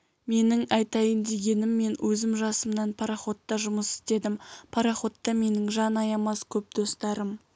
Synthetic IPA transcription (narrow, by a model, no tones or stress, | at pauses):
me̞nɪŋɑjt̪ɑjənd̪e̞ɡʲe̞nɪmːe̞nwʔɵzɪmʒɑsəmnɑnpʰɑɾaχo̞t̪ːɑʒʊməsɪ̥st̪e̞d̪ɪmpʰɑɾɑχo̞t̪ːɑme̞nɪŋʒɑnɑjɑmɑskʲʰɵp̚d̪̥o̞st̪ɑɾəm